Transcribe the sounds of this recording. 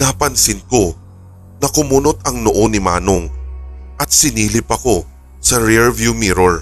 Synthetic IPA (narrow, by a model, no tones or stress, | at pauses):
napɐnsɪnko̞ | nɐkʊmunot̪ɐŋnoʔonɪma̰ːnoŋʔɐt̪̚sɪniːlɪpɐko̞ | sɐɹɛɹvjumiɾoɹ